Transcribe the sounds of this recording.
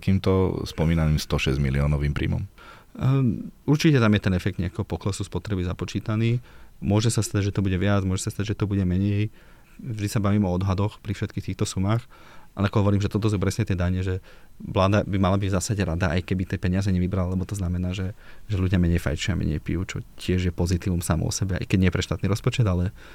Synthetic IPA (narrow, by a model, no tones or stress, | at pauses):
t̪akiːmt̪ɔspɔmiːnaniːmst̪ɔʃɛzmḭliɔːnɔʋiːmpɾḭːmɔ̰m | uɾt͡ʃicɛt̪amjɛt̪ɛnɛfɛk̚d̪ɲɛakɛːɦɔpɔklɛsuspɔt̪ɾɛbizapɔt͡ʃiːt̪aniːmʊɔʒɛsast̪aɟʒɛt̪ɔbuɟɛʋɪad͡zmʊɔʒɛsast̪aɟʒɛt̪ɔbuɟɛmɛɲɛj | vʒd̪isabaʋimɔɔd̪ɦad̪ɔxpɾifʃɛt̪̚kiːxt̪iːxt̪ɔsumaːx | ʔalɛakɔɦɔʋɔɾiːmʒɛt̪ɔt̪̬ɔs̬upɾɛsɲɛt̪ɪɛd̪aɲɛʒɛ | ʋlaːd̪abimalabiɟvzasaɟɛɾad̪aʔa̰jkɛbit̪ɛpɛɲɪazɛɲɛʋibɾalalɛbɔt̪ɔznamɛnaːʒɛʒɛluɟɪamɛɲɛjfa̰jt͡ʃʊamɛ̰ɲɛ̰jpḭjut͡ʃɔ̰cɪɛʒjɛpɔzit̪iːʋumsamɔ̰ɔ̰sɛbɛa̰jkɛɟɲɛjɛpɾɛʃt̪aːt̪niɾɔspɔt͡ʃɛd̪alɛ